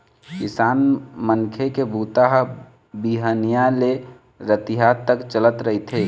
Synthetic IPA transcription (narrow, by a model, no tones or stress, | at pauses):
kɪsaːnmənkʰekebuːt̪aɦ | biɦənijale | ɾət̪iɦat̪ːəkt͡ʃələt̪ɾəɦit̪ʰɦeː